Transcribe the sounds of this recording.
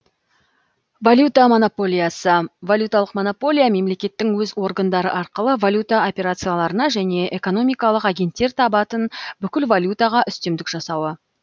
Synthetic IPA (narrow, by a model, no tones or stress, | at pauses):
valʲjut̪amo̞nopo̞lʲijasəvalʲjut̪ɑlˠəqmo̞nopo̞lʲijame̞mle̞kʲe̞t̪ːɪŋwɵzwo̞ɾɡənd̪ɑɾə̰ʔɑɾqəlˠəvalʲjut̪ao̞pʲe̞ɾat̪sɨijalˠɑɾənɑʒæne̞ʔe̞ko̞no̞mijkɑlˠəqɑɡʲe̞nt̪ːe̞ɾt̪ʰɑbɑt̪ənbʏkʲɪlvalʲjut̪ɑʁɑʔʏst̪e̞md̪ɪkʒ̥ɑsɑwə